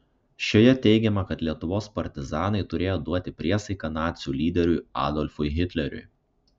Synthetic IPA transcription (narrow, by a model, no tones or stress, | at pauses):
ʃʲoːjɛt̪ʲɛɪɡʲɛmɐkɐt̪lʲiɛt̪ʊʋoːspɐɾʲt̪ʲɪzɑːnɐɪt̪ʊɾʲeːjoːd̪uɔt̪ʲɪpʲɾʲiɛsɐɪkɐnɑːt̪sʲuːlʲiːd̪ʲɛɾʲʊjɑ̰ːd̪ɔlʲfʊɪɦʲɪt̪ʲlʲɛɾʲʊ̰ɪ